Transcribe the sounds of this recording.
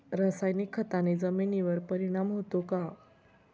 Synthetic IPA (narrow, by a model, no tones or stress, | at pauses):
ɾasajnikʰːət̪aned͡zəminiʋəɾpəɾiɽ̃amɦot̪oka